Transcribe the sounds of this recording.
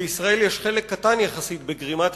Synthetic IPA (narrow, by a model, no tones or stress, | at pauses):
isʁae̞ljeʃχe̞lekːatanjaχasit̪beɡʁimat̪